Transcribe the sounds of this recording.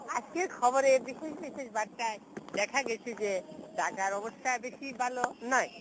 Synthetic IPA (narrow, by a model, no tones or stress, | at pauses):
ad͡ʑkeɾkʰɔboɾebiʃeʃbiʃeʃbaɾʈaed̪ɛkʰaɡɛt͡ɕʰed͡ʑed̪akaɾɔbost̪ʰabeʃibʱalonɔe